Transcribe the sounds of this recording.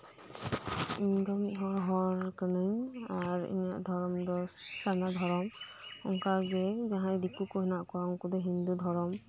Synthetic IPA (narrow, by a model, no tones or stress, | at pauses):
ind̪ɔmiɦɔɹɦɔɹkənɯɲaɾḭnija̰ʔd̪ʱɔɾɔmd̪ɔ | sanad̪ʱɔɾɔm | ɔ̰ŋkaɡɛd͡ʒaɦãjd̪ikukɔɛnaʔkɔaŋkud̪ɛɦind̪ud̪ʱɔɾɔm